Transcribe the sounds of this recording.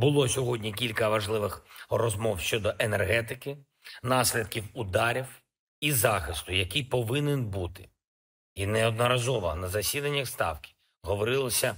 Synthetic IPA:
bʊlˠɔsʲɔɦɔdʲnʲik̬ʲilʲkɐʋɐʒlˠɪʋɪxrɔzmɔwʃt͡ʃɔd̪ɔʔenerɦɛt̪ɪkɪ | nɑsʲlʲɐd̪̚kʲiwʊd̪ɑɾʲiw | izɑxɪst̪ʊjɐkijpɔʋɪnenbut̪ɪ̥ | inɛɔd̪nɔɾɐzɔʋɔnɐzɐsʲid̪ɐnʲːɐxst̪ɑ̰wkʲɪ̥ | ɦɔʋɔɾɪlˠɐsʲɐ

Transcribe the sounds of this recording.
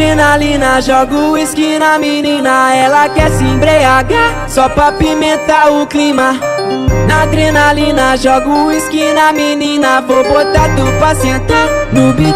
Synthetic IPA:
ɾenalĩnɐʒɔɡʊiskinɐminĩnɐɛlɐkɛsɪĩbɾeaɡɐ | sɔpɾapimẽt̪aʊklima | nad̪ɾenalĩnɐʒɔɡʊiskinɐminĩnɐfobot̪ad̪ʊpasẽt̪anʊbi

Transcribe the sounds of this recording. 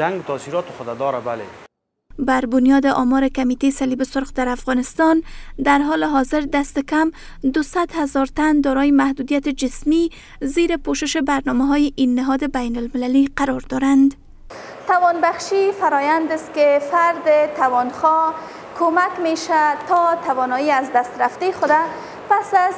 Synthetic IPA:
aŋɡt̪ɔsiɾɔːt̪ɪxʊd̪ad̪ɔːɾabalḛ | baɾbʊnjɒd̪ɪʔɒmɔɾɪkamit̪esalibɪsʊɾqd̪aɾafɣɔnɪst̪ɒnd̪aɾɦɔlɪɦɒzɪɾd̪ast̪ɪkamd̪ʊsad̪hazɒɾt̪and̪ɔɾɔjɪmahd̪ud̪ijat̪ɪd͡ʒɪsmi | ziɾɪpoʃɪʃɪbaɾnɔmaɦɔjɪʔinːɪɦɒd̪ɪbajnʊlmɪlaliqaɾɔɾd̪ɒɾand̪ | t̪awɔnbaxʃifaɾɔjand̪ɪst̪̚kefaɾd̪ɪt̪awɔnxɔ | kʰomakmeʃat̪ɔt̪awɔnɔjiazd̪ast̪ɾaft̪exʊd̪a | pasaz

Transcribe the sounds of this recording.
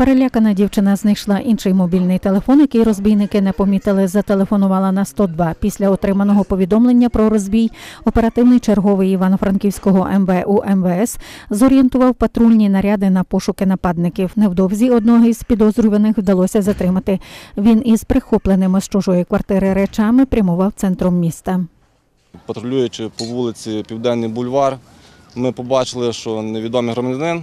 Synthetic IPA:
peɾelʲakɐnɐdʲiwt͡ʃɪnɐznɪjʃlˠɐʔinʃɪjmɔbʲilʲnɪjt̪e̞lˠefɔnjɐkɪjɾɔzʲbʲijnɪkɪnɛpɔmʲit̪ɪlˠɪzɐt̪e̞lˠefɔnʊʋɑlˠɐnɐst̪ɔd̪ʋɑpʲisʲlʲɐɔt̪ɾɪmɐnɔɦɔpɔʋʲid̪ɔmlˠe̞nʲːɐpɾɔɾɔzʲbʲijɔpeɾɐt̪ɪwnɪjt͡ʃerɦɔʋɪjiʋɑnɔfɾɐnkʲiwsʲkɔɦɔʔɛmʋɛʔuʔɛmʋɛɛszɔɾʲijɛnt̪ʊʋɐwpɐt̪ɾulʲnʲinɐɾʲɑd̪ɪnɐpɔʃʊkɪnɐpɑd̪nɪkʲiwnewd̪ɔwzʲiɔd̪nɔɦizpʲid̪ɔzɾʊʋʲenɪxwd̪ɐlˠɔsʲɐzɐt̪ɾɪmɐt̪ɪʋʲinizpɾɪxɔplˠenɪmɪst͡ʃɔʒɔjikʋɐrt̪ɪɾɪɾɛt͡ʃɑmɪpɾʲɐmʊʋɑwt̪sɛnt̪ɾɔmːʲist̪ɐ | pɐt̪ɾɔlʲujʊt͡ʃɪpɔʋulˠɪt͡sʲipʲiwd̪ɛnːɨjbʊlʲʋɑr | mɪpɔbɑt͡ʃɪlˠɪʃt͡ʃɔneʋʲid̪ɔmijɦɾɔmɐdʲɐnɪn

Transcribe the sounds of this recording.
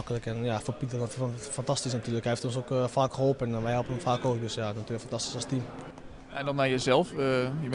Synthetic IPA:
kələkɛnjafopitəɔfantastisnatyːələkhɛjftonsokfaːkxəɦolˠpɛnʋɛjhɛlˠpənəmfaːkoːk̚døsjanatyələkfantasti̥sɔstim | ɛndɔnɛjəzɛlˠfjəm

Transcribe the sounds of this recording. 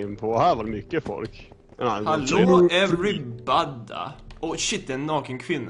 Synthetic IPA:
ənpʰɔhæːɾvaɾmʏkːəfɔ̰lk | ɛnahaloɛvɾɪbad̪a̰ʔɔʃɪt̪̚d̪ɛnːɑːkənkʰvɪnːa

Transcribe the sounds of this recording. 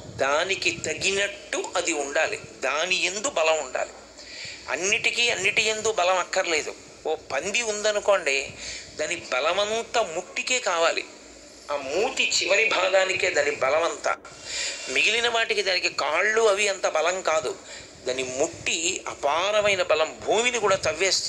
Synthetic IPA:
d̪aːnikit̪ɐɡinɐʈːuʔɐd̪iuɳɖaːlḭd̪aːniend̪ubɐlɐmuɳɖa̰ːlḭ | ɐ̰nːiʈikiːɐnːiʈiend̪ukbɐlɐmɐkːɐɾɐle̞ːd̪ṵ | oːpɐnd̪iund̪ɐnuko̞ːɳɖeːd̪aːnibɐlɐʋɐnt̪ɐmuʈːikeːkaːʋaːlḭ | aːmuːt̪it͡ʃiʋɐɾibʱaːɡaːnike̞ːd̪aːnːibɐlɐʋɐnt̪ɐ̰ | miɡilinɐʋaːʈikid̪aːnikikaːɭːuɐʋiɐnt̪ɐbɐlɐmkaːd̪ṵ | d̪aːnimuʈːiɐ̰paːɾɐmɐjnɐbɐlɐmbʱuːminikuːɽaːt̪ɐʋːeːs

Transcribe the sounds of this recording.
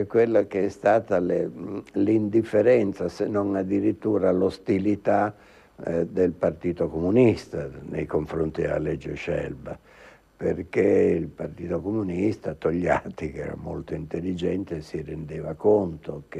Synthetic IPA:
ɛkːwelːakeɛst̪aːt̪alelind̪ifːeɾɛnt̪sasenːoŋad̪ːiɾit̪ːuːɾalost̪ilit̪a | d̪elpart̪iːt̪okomunist̪anejkoɱfɾont̪id̪ea̰lɛd͡ʒːeʃɛ̰lba | perk̟eilpart̪iːt̪okomunist̪at̪ːoʎːa̰ːt̪ikɛ̰ɾa̰mo̰lt̪oint̪elːid͡ʒɛnt̪esirend̪eːvakont̪ok

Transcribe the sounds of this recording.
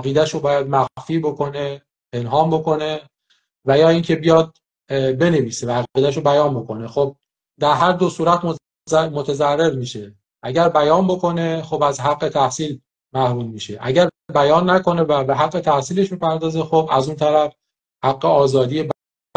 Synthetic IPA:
æɣiːd̪æʃobɒːjæd̪̚mæɣfiːbo̞kʰo̞ne | pʰe̞nɦɒːmbo̞ko̞ne̞ | væjɒːiːŋcʰe̞bijɒd̪̚ | be̞neviːsevæːɣiːd̪æʃ̬obæjɒːnbo̞ko̞nexob̚ | d̪æɾɦæɾd̪o̞suːɾæt̪m | mot̪ʰezærːe̞ɾmiːʃe̞ | ʔæɟæɾbæjɒːnbo̞kʰo̞ne̞xobæzɦæɡːe̞t̪ʰæhsiːl | mæhmuːlmiːʃeʔæ̰ɟæɾbd̪̚bæjɒːnːæko̞ne̞væbeɦæɡːe̞t̪ʰæhsiːle̞ʃbipʰæɾd̪ɒːzexobæzunt̪ʰæɾæf | hæɡːeɒːzɒːd̪ijeb

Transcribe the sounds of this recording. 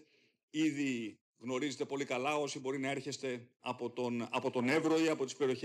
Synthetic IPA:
iði | ɣno̞ɾize̞t̪e̞po̞likɐlɐo̞sibo̞ɾinɐe̞ɾçe̞st̪e̞ɐpo̞t̪onɐpo̞t̪o̞ne̞vɾoiɐpo̞t̪ispe̞ɾio̞çe

